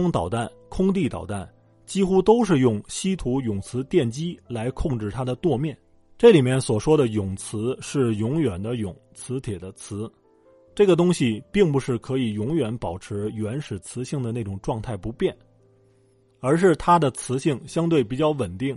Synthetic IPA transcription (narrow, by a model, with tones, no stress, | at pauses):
ŋt̪ɑ˨˩ʊt̪a˥˩n | kʰʊ˥ŋt̪̬i˥˩t̪ɑ̰˨˩ʊt̪a˥˩n | t͡ɕi˥xu˥t̪o˥ʊʂɻ̩˥˧jʊ˥˩ŋɕi˥t̪ʰu˧˥jʊ˨˩ŋt͡sʰɹ̩˧˥t̪jɛ˥˩nt͡ɕi˥la˧˥ɪkʰʊ˥˧ŋʈ͡ʂɻ̩˥˩t̪ʰa˥d̪ə˨t̪wɔ˥˧mjɛ˥˩n | ʈ͡ʂɤ˥˩li˨˩mjɛ˥˩nswɔ˨˩ʂwɔ˥d̪ə˨jʊ˨˩ŋt͡sʰɹ̩˧˥ʂɻ̩˥˩jʊ˧˥ŋjɥɛ˨˩nd̪ə˦jʊ˨˩˦ŋt͡sʰɹ̩˧˥t̪ʰjɛ˨˩d̪ə˦t͡sʰɹ̩˧˥ | ʈ͡ʂɤ˥˩ɡə˩t̪ʊ˥ŋɕi˨pi˥˩ŋpu˧˥ʂɻ̩˥˩kʰɤ˧˥i˨˩jʊ˧˥ŋɥɛ˧˥npɑ˨˩ʊʈ͡ʂʰɻ̩˧˥jɥɛ˧˥nʂɻ̩˨˩t͡sʰɹ̩˧˥ɕi˥˩ŋd̪ə˩ne˥˩ʈ͡ʂʊ˨˩ŋʈ͡ʂwɑ˥˧ŋt̪ʰa˥˩ɪpu˧˥pjɛ˥˩n | ə˞˧˥ʂɻ̩˥˩t̪ʰa˥d̪ə˨t͡sʰɹ̩˧˥ɕi˥˩ŋɕjɑ˥ŋt̪we˥˩ɪpi˨˩t͡ɕjɑ˥˩ʊwə˨˩nt̪i˥˩ŋ